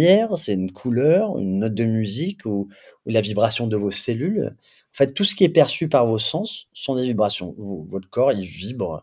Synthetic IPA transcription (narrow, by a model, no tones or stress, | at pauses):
ɛʁsɛynkʰulœʁy̰nːɔt̪̚d̪əmyziku | ulavibʁasjɔ̃d̪əvoselyl | ɑ̃fɛt̪ːusə̥kʲiɛpɛʁsypaʁvosɑ̃sːɔ̃d̪evibʁasjɔ̰̃vovɔt̪kɔʁilvibʁ